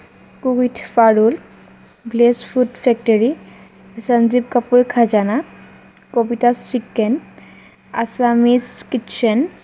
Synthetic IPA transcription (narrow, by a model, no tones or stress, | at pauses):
kukitʰfaɹul | blesfʰudfʰɛk̚tɔɹi | sanzib̚kapuɹkʰazana | kobitasikːɛn | a̰samiskitt͡ʃɛn